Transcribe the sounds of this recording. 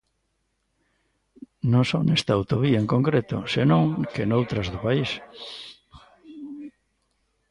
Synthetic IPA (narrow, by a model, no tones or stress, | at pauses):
nõsonest̪aawt̪oβiaẽŋkoŋkɾet̪ʊ̰senõŋkenowt̪ɾɐzðʊpais